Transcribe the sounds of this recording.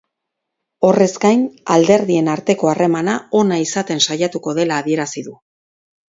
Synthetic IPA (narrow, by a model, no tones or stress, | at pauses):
o̞re̞zɡajnald̪e̞ɾðie̞naɾt̪e̞ko̞are̞manao̞naisat̪e̞nsajat̪uko̞ðe̞laːβie̞ɾasiðu